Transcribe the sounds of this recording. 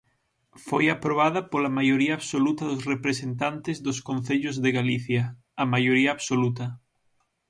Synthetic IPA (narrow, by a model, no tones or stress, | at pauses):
fojapɾoβ̞að̞apolamajoɾiaːβsolut̪ɐðosrepɾesent̪ant̪ezðoskõnθeʎozðeɣaliθjaː | majoɾiaːβsolut̪ɐ